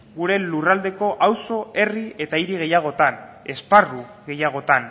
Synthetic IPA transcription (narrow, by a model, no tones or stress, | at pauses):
ɡuɾe̞lurald̪e̞ko̞ʔawso̞e̞rie̞t̪aiɾiɣ̞e̞jaɣ̞o̞t̪ane̞sparuɣe̞jaɣ̞o̞t̪an